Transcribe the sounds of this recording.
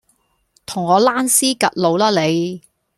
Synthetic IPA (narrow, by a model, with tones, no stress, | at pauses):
t̪ʰʊ˨˩ŋːɔː˨˧laː˥nsiː˥kɐ˨t̚lo˨˧wlaː˥le˨˧j